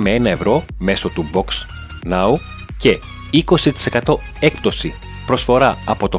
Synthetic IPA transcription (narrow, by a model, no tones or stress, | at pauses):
mee̞nɐe̞vɾo̞me̞so̞t̪ubo̞ks | nɐu | ce̞ | iko̞sit̪i̥se̞kɐt̪o̞ | e̞k̚pt̪o̞si | pɾo̞sfo̞ɾɐɐpo̞t̪o̞